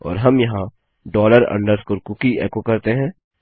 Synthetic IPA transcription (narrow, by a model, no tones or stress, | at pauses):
ɔ̰ːɾɦɐmjɐɦã | ɖɔːləɾɐ̰̃ɳɖəɾskoɾkʊkiɛːkokɐɾt̪eɦɛ̃ː